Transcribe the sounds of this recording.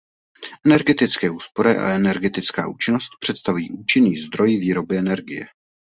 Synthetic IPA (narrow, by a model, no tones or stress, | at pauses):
ʔɛnɛɾɡɛt̪ɪt͡skɛːuːspo̞ɾɪʔa̰ɛnɛɾɡɛt̪ɪt͡skaːʔuːt͡ʃɪno̞st̪̚pr̥ɛt̪st̪avujiːʔuːt͡ʃɪniːzd̪ɾo̞jɪviːɾo̞bɪɛnɛɾɡɪjɛ̰